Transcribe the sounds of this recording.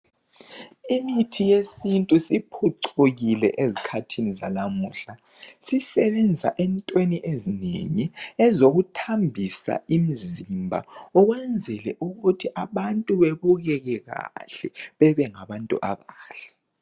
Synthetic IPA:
imitʰijesintʼusipʰuǀʰoɣilɛ̰ʔezikʰatʰiniza̰lamuːɬa | sisɛβɛnd͡zʱa̰ʔɛntʼweniʔezinḛɲiɛzoɣutʰambʱisa̰im̩zimbʱa̰ɔɣwɛnd͡zʱɛlɛ̰ʔuɣutʰiʔaβantʼuβeβuɣɛɣɛɣa̰ɬɛβɛβɛŋaβantʼṵʔa̰βaːɬḁ

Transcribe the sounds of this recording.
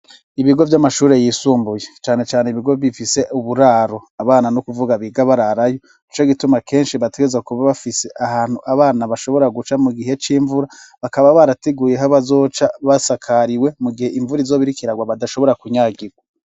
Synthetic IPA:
iβiɡo̞vjamaʃuːɾe̞jiːsuːmbuje̞t͡ʃaːne̞t͡ʃaːneiβiɡo̞βifise̞ʔuβuɾaːɾo̞aβaːnanukuvuɡaβiɡaβaɾaɾajo̞ | it͡ʃo̞ɡitumakʰe̞ːnʃiβateɡe̞zakuβaβafise̞ʔahaːn̥huʔaβaːnaβaʃo̞βo̞ɾaɡut͡ʃamuɡiɦe̞t͡ʃiːɱvuɾaβakaβaβaɾateɡuːje̞ɦaβazo̞ːt͡ʃaβasakʰaɾiwe̞muɡihe̞ʔiɱvuɾizo̞βiɾikiɾaɡwaβadaʃo̞βo̞ɾakuɲaːɡiɾɡwa

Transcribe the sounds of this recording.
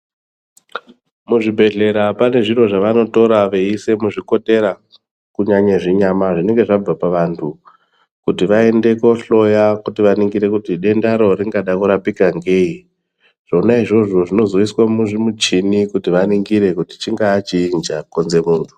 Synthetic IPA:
muʐibʱe̞ɮe̞ɾapane̞ʐiro̞ʐaʋano̞to̞ɾaʋeise̞muʐiko̞te̞ɾa | kuɲaɲeʐiɲamaʐine̞ŋɡe̞ʐab͡vapaʋantʰu | kutiʋae̞nde̞ko̞ɬo̞jakutiʋaniŋɡiɾe̞kutiɗe̞ndaɾo̞riŋɡaɗakuɾapikaŋɡe̞i | ʐ̥onaiʐo̞ʐo̞ʐino̞zoiswamuʐimut͡ʃinikutiʋaniŋɡiɾe̞kuti̥t͡ʃiŋɡaːt͡ʃiːnd͡ʒakonze̞muːntʰu̥

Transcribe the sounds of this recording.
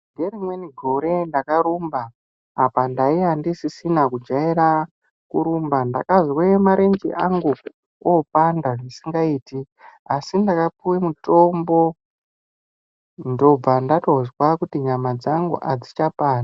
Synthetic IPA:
ŋɡerimweniɡʱo̞ɾendakaɾumbaː | pandaiandisisinakud͡ʒaiɾa | kuɾumbanda̰kazwemaɾend͡ʒḭʔaŋɡu | opandaʐisiŋɡaiːti | asindakapuwimuto̞ːmbo | ndo̞b͡vandatozwakutiɲamad͡zaŋɡṵʔad͡zit͡ʃapaːna

